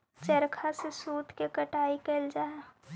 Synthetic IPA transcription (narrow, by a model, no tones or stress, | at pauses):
t͡ʃəɾkʰasesuːt̪kekəʈaːikeld͡ʒaːe